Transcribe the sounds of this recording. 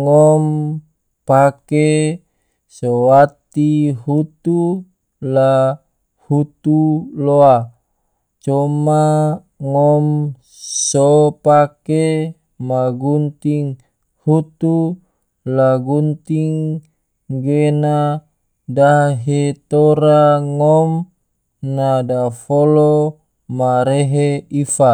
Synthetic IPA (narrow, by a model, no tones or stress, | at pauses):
ŋɔm | pake | sowat̪iɦut̪u | la | hut̪uloa | t͡ʃɔma | ŋɔm | sopake | maɡunt̪iŋ | hut̪u | laɡunt̪iŋ | ɡena | daɦet̪oɾaŋɔm | nadafolo | maɾeɦeifa